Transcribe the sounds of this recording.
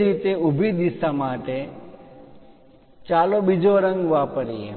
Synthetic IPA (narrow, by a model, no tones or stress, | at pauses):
ɾit̪eubʱid̪isamaʈe | t͡ʃalobid͡ʒoɾəŋɡʋapəɾiḛ